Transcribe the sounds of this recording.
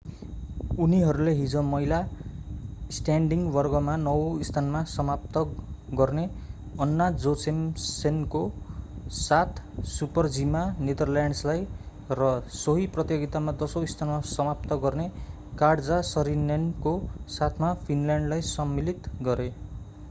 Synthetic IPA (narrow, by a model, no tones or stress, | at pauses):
uniɦʌɾuleɦid͡zʌ̃mʌjla | sʈaɳɖiŋɡbʌrɡʌmanʌwist̪ʰanmasʌmap̚t̪ʌɡʌrne | ʌnːad͡zosemsenko | sat̪ʰsupʌrd͡zimaned̪ʌrljaɳɖslaj | rʌsʌɦiprʌt̪joɡit̪amad̪ʌsoist̪ʰanmasʌmap̚t̪ʌɡʌrne | kaɽd͡zasʌɾinenkosat̪ʰmapʰinlaɳɖlajsʌmːilit̪ɡʌɾe